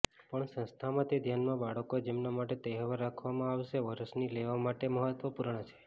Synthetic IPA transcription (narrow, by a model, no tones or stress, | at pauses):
pəɳsə̃nst̪ʰamãt̪ed̪ʱjanmãbaɽəkod͡ʒemnamaʈet̪eɦəʋəɾːakʰʋamãaʋʃeʋəɾəsnileʋamaʈeməɦət̪ʋəpuɾɳ̃ət͡ʃʰe̥